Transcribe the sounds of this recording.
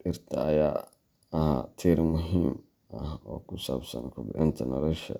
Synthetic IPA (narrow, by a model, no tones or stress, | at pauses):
ɪrt̪ʰɐɐjaː | ɐɦat̪ʰiːɾmʊɦiːm | ʔɐhɔːkʰʊsaːbsɐ̰nkʰʊbʕɪnt̪ʰɐnɔlɔʃɐ̰